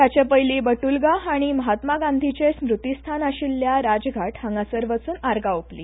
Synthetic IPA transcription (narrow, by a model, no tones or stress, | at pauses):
jat͡ɕjapəjliːbəʈulɡaaɽ̃iməɦat̪maɡãnd̪ʱit͡ɕesmɾut̪ist̪ʰanaɕilːjaɾad͡zɡʱaʈhəŋɡasəɾʋət͡suːnaɾɡaoplḭ